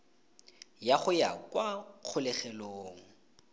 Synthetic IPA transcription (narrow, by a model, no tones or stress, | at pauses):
jaχʊjakwak͡xʰʊlɛχɛloːŋ̩